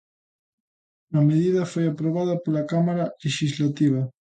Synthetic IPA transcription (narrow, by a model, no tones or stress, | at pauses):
ɐmeðiðɐfojapɾoβ̞aðɐpolakamaɾaleʃizlat̪iβ̞ɐ